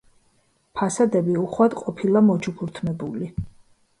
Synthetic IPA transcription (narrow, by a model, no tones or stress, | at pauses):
pʰasad̪ɛbiuχwad̪qʼɔpʰilˠamɔt͡ʃʰupʰuɾt̪ʰmɛbuli